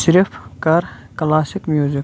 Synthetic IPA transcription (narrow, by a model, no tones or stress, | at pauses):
ʃɾɪfkɐɾ | klaːsɪkmjuːzɪk